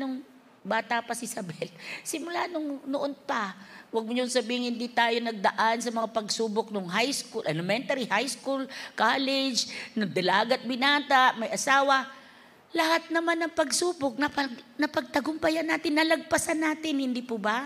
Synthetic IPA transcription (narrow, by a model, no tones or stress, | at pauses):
nʊŋ | baːt̪apɐsɪsɐbɛlsɪmʊlanʊŋnoʔonpawɐɡ̚mʊɲʊŋsɐbiːhɪŋhɪnd̪it̪aːjonɐɡ̚d̪ɐʔansɐmɐŋapɐɡsuːbok̚noŋɦajskulʔɐlɪmɛnt̪ɐɾihajskulkalɪd͡ʒnɐɡ̚d̪ɐlaːɡɐt̪̚bɪnaːt̪aʔmɐjʔɐsaːwɐ | lɐhat̪̚nɐmanːɐŋpɐɡsuːbok̚nɐpɐnɐpɐɡ̚t̪ɐɡʊmpɐjanːaːt̪ɪnːɐlɐɡ̚pɐsanːaːt̪ɪnhɪnd̪ipʊba